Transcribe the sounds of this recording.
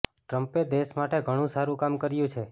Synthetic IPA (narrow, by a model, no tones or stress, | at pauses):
ʈɾəmped̪eʃmaʈeɡʱəɽ̃ũsaɾũkamkəɾjũt͡ʃʰe